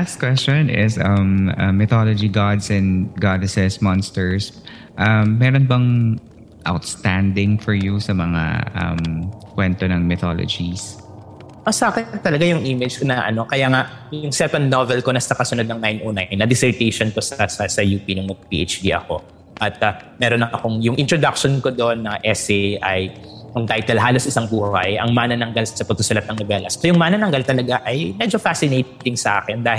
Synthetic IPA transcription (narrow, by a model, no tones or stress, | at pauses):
last̪̚kwɛst͡ʃonʔɪ̰sʔɐmɐ̰mːɪt̪olod͡ʒiɡɑd̪sɛ̃nɡad̪sɛsmɔnst̪ɛɹs | ʔɐmːɛːɾonbɐŋ | ʔa̰wt̪st̪ænd̪ɪŋfɔɹjusɐmɐŋa̰ʔɐ̰mkwɛnt̪onɐŋmɪt̪o̰lo̰d͡ʒis | ʔosaːkɪt̪ːɐlɐɡajʊŋʔiːmɪd͡ʒkonɐʔɐ̰no̞kɐjaːŋaʔ | jʊŋsɛpɐnd̪̚novɛlko̞nɐsɐkɐsʊnod̪nɐŋnajnʔoːnanːɐd̪ɪsɛɹt̪ejʃonkosɐsɐsɐjuːpinʊŋmɐɡ̚pḭːʔḛt͡ʃd̪iʔɐ̰ko̞̰ | ʔɐt̪̚ɐmɛːɾonːɐʔɐkoŋjʊŋʔɪnt̪ɾod̪ak̚ʃonko̞d̪oʔnːɐʔɛsɛʔɐjkʊŋt̪ajt̪ɛlɦaːlo̞sɪsɐŋbuːhɐ̰jɐ̰ŋmaːnɐnɐŋɡalsɐpɐɡ̚t̪ʊsʊlɐt̪̚ɐŋnobɛlɐsojʊŋmanɐnɐŋɡalt̪ɐlɐɡaʔɐjmɛd͡ʒofasɪnejt̪t̪ɪŋsɐʔa̰ːkɛnd̪aːh